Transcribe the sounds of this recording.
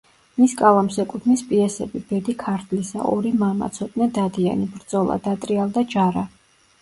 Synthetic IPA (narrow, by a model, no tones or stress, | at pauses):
miskʼavamsɛkʼut̪ʰmispʼiɛsɛbib̥ɛd̪ikʰaɾt̪ʰlisa̰ʔɔɾimama̰t̪sʰɔt̪ʼnɛd̪ad̪ia̰nibɾd̪z̥ɔlˠa̰d̪at̪ʼɾialˠd̪ad͡ʒaɾa